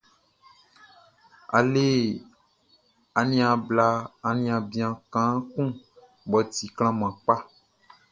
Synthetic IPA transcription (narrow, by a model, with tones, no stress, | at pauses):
a̰˨le˦ | a˨nĩ˦a˨bla˨a˨nĩ˨˦a˨bĩ˨˦ã˨kã˦kũ˦ | bɔ˨t̪i˨kl̃ã˦m˨ã˨k͡pa˦